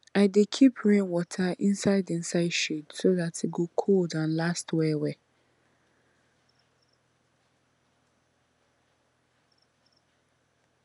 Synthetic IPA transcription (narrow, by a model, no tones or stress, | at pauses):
aɪdekʰipʰɹĩŋwɔtʰaʔɪ̃nsaɪdɪ̃n̩saɪdʃidsoðatʰiɡokʰoldãnlastʰwɛwɛ